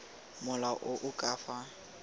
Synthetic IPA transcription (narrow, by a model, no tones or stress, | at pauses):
mʊlaʔʊʔʊkʼaːfa